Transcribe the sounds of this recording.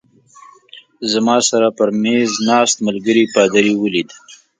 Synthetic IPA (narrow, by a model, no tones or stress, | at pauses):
zamɑsaɾapəɾmeznɑːst̪məlɡəɾipɑd̪aɾiwəlid̪